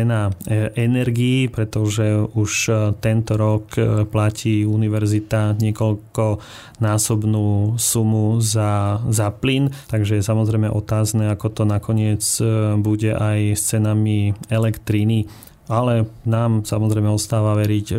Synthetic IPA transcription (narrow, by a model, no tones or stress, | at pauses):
ɛnaʔɛnɛɾɡiːpɾɛt̪ɔʒɛuʃt̪ɛnt̪ɔɾɔkplacʰiːuniʋɛɾzit̪aɲɪɛkɔlkɔ | naːsɔbnuːsumuzazaplint̪aɡʒɛjɛsamɔzɾɛjmɛ̰ʔɔt̪aːznɛakɔt̪ɔnakɔɲɪɛt͡sbuɟɛʔajst͡sɛnamiɛlɛkt̪ɾini | alɛnaːmsamɔzɾɛɪmɛɔst̪aːʋaʋɛɾic